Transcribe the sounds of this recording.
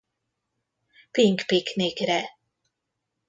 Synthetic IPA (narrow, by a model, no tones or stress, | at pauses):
piŋkpiknikɾɛ